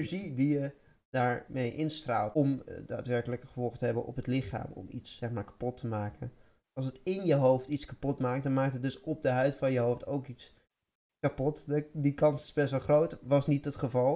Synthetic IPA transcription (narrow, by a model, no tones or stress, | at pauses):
ɹʒidijə | d̥aːɹmejʔɪnstra̰ːlˠtɔmda̰ːtʋɛɹkələkəχəvɔlˠχətəɦɛbənʔɔ̰pɦətlɪχa̰ːmɔ̰mḭtsːɛχmaːɹkḁpɔtʰəmaːkə̰n | ɑlˠsətɪnjəɦowftitskapɔtmaːk̚dɑnmaːk̚tɦət̚dɵsɔp̚dəɦœɥtfɑnjəɦowftowkits | kapɔtdikɑnsɪ̥zbɛstʋɑlˠχrowtʋɑsnitətχəvɑlˠ